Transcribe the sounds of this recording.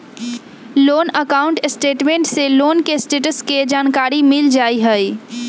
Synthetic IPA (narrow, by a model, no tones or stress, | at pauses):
loːnəkaːʊ̃ɳʈsʈeːʈmẽɳʈseloːnkesʈeːʈəsked͡ʒaːnkaːɾimɪld͡ʒaːiɦɛi